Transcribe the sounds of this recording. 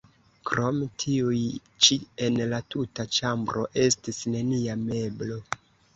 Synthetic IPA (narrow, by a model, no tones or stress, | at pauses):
kɾo̞mtʰiuj | t͡ʃie̞nlatutat͡ʃambɾo̞̰ʔe̞stisne̞niame̞blo̞